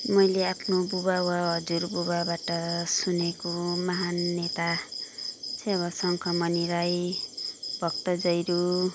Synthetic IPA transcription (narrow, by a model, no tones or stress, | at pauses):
mʌjleapʰnobubawaɦʌd͡zurbubabaʈʌsunekomʌɦanːet̪a | t͡sʰeʌβʌsʌŋkʰʌmʌniɾaj | bʱʌk̚t̪ʌd͡zʌjɾu